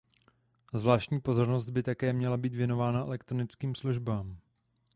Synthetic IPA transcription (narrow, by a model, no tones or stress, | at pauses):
zvlaːʃcɲiːpo̞zo̞ɾno̞sd̪̚bɪt̪akɛːmɲɛlabiːt̪vjɛno̞vaːnaʔɛ̰lɛkt̪ɾonɪt͡skiːmsluʒbaːm